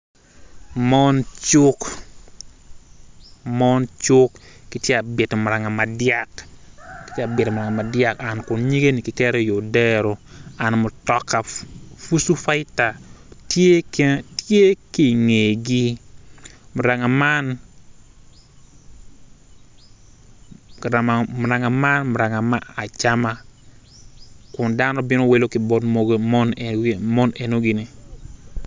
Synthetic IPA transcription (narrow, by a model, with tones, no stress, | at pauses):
mɔ˦nt͡ʃʊ˦k | mɔ˦nt͡ʃʊ˦kːi˨tje˦a˨be˨to˨mʊ˨ɾa˨ŋa˨ma˨dja˦kkɪ˨tje˦a˨bɪ˨to˨mʊ˨ɾa˨ŋa˨ma˨dja˦ka˨nkʊ˨ɲi˦ɡe˦ni˨kɪ˨kɛ˦ɾe˦jo˨dɛ˦ɾo˨a˨nmʊ˨tɔ˨kːa˨fu˦su˦fa˦ɪ˦ta˨ | te˦te˦ki˨ŋe˨ɡi˦ | mu˨ɾa˨ŋa˨ma˦n˨ | ɾa˨ma˨mu˨ɾa˨ŋa˨ma˦nmu˨ɾa˨ŋa˨ma˦a˨t͡ʃa˦ma˦ | ku˨nda˦no˦bi˦no˦wi˦lo˦ki˨bɔ˦dmo˦ɡmo˦n˨mo˦ne˨no˦ɡi˨ni˨